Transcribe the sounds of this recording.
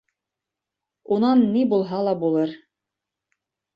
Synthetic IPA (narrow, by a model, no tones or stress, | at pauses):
unɑnːibulˠɦɑlˠɑbulˠɤɾ